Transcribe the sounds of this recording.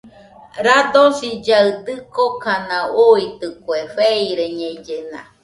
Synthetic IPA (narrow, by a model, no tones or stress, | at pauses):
ɾad̪osid͡ʒaɯd̪ɨkokanãuit̪ɯkwefeiɾeɲed͡ʒena̰